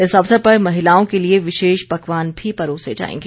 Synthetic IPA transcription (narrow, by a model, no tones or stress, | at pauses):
ɪsɐʋsəɾpɐɾmɐɦɪlaːõkelieʋɪʃeːʃbɐkʋaːnbʱipɐɾoːsed͡ʒa̰ːḛ̃ːŋɡeː